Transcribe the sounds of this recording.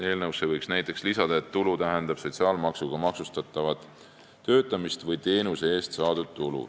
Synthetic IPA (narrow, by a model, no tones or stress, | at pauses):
e̞ːlnɤwsevɤjksnæjt̪ːˑe̞kslisɑd̪̥ɑe̞t̪ːulut̪æɦe̞nd̪̥ɑb̥so̞t̪ʲsiɑːlmɑksuɡ̥ɑmɑksust̪ɑt̪ːˑɑvɑt̪ː | ø̞ːt̪ːˑɑmist̪vɤjt̪e̞ːnuseeːst̪sɑːd̪̥ud̪̥̚t̪ulṵ